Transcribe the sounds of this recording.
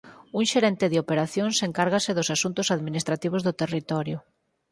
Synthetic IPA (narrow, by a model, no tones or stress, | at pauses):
uŋʃeɾɛnt̪ɪðɪopeɾaθjoŋseŋkaɾɣasɪðʊsasunt̪ʊsaðminist̪ɾat̪iβ̞ozðʊt̪erit̪ɔɾjʊ